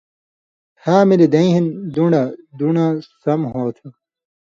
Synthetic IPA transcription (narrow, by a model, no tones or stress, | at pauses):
haːmilid̪ɐĩɦind̪uɳɖɐd̪uɳasɐmɦoːt̪ʰi